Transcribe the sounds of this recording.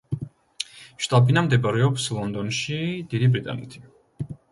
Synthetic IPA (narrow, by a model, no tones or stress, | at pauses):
ʃt̪ʼabinamd̪ɛbaɾɛɔpslˠɔnd̪ɔnʃid̪id̪ibɾit̪ʼa̰nɛ̰t̪ʰi̥